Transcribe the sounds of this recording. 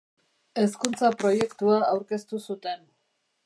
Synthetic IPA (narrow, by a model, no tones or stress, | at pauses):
e̞skunt͡sapɾo̞je̞kt̪uaːwɾke̞st̪usut̪e̞n